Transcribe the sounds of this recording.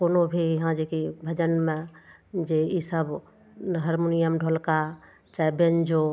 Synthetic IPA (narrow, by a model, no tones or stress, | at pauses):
konobʱiɦãd͡ʒekibʱəd͡ʒənmẽd͡ʒeisəb | ɦəɾmonijəmɖʱolka | t͡ʃaːibend͡ʒo